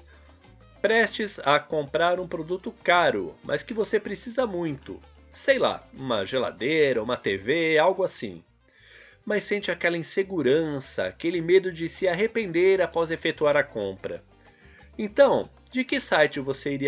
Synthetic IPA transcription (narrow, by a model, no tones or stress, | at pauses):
pɾɛst͡ʃɪzɐkõmpɾaɾũpɾod̪ut̪ʊkaɾʊ̰mʔɐ̰skɪvosepɾesizɐmũj̃t̪ʊ̰ | sejla̰ũmɐʒela̰d̪eɾɐũmɐt̪eveawɡʊasḭ̃ | mɐsːẽnt͡ʃɪakɛlɐĩseɡuɾɐ̃sɐ̰a̰kelɪmed̪ʊd͡ʒɪsɪaɦepẽnd̪eɾapɔzefet̪uaɾɐkõmpɾɐ̰ | ẽnt̪ɐ̃w̃ | d͡ʒɪkɪsajt͡ʃɪvoseiɾi